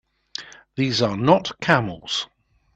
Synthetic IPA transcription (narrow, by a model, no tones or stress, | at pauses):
ðiːzənətkʰamə̰lˠz̥